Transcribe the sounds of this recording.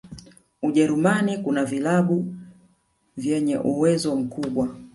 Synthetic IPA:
uʄɛɾumanikunavilaɓu | vjɛɲɛ̰ʔuwɛzɔm̩kuɓwa

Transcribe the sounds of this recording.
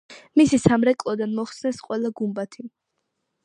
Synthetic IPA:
misisamɾɛkʼlˠɔd̪anmɔχsnɛsqʼwɛlˠaɡumbat̪ʰi

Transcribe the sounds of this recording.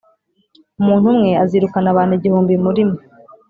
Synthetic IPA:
umuːn̥humŋe̞aziɾukanaβaːneɟihuːmbimuɾimo

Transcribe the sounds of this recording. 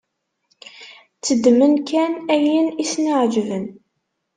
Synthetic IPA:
t͡sːəd̪ːmənkænæjinisnəʕd͡ʒvən

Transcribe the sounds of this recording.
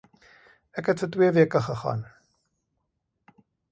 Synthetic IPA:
ɛkɦɛtfət̬wiəviəkəχəχɑ̰ːn

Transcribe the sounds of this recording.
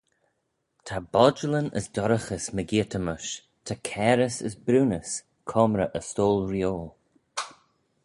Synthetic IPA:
tʰabɔd͡ʒələnə̰sdɔɾəxəsməɡiːtʰəməʃ | tʰakʰɛːɾəsəsbɾuːnəs | kʰɔmɾəʔəstoːlˠɾjoːl

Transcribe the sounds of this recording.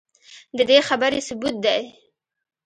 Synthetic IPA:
d̪əd̪exabəɾesʊbut̪̚d̪aj

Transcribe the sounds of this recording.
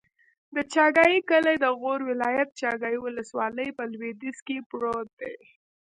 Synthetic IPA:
d̪ət͡ʃɑɡɑjikəlad̪əɣoɾwɪlɑjat̪̚t͡ʃɑɡɑjiwʊləswɑləjpəlwed̪iskepɽod̪ḛ

